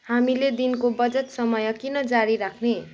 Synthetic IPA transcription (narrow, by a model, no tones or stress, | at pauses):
hamiled̪inkobʌd͡zʌt̪sʌmʌjʌkinʌd͡zaɾiɾakʰne